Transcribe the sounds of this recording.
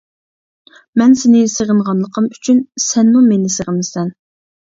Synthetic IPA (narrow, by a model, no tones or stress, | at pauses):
mɛnsenɪseʁəɴʁɑnlˠəqʰəmy̥t͡ʃʰynsɛnːumenɪsəʁəmɪsɛn